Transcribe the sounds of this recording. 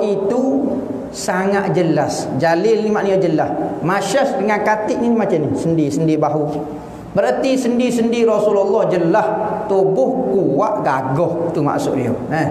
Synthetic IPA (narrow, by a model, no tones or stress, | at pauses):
ʔit̪u | saŋaʔ̪̚d͡ʒəlasd͡ʒalɪlnimaʔnijod͡ʒəlahmaʃəsdəŋankat̪ɪʔ̚ninimat͡ʃanisəndisəndibaɦu | bəɾət̪isəndisəndiɾɔsululːɔhd͡ʒəlaht̪ubʊhkuwaʔɡaɡɔht̪uma̰ʔsʊ̰ʔdḭo̰nə